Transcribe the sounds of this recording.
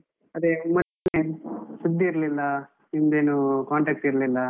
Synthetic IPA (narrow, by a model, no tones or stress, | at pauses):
ɐd̪emɐn | nesud̪ːiːɾlilːɐ | ind̪eːnukaːɳʈɐːk̚ʈiɾɐlilːɐ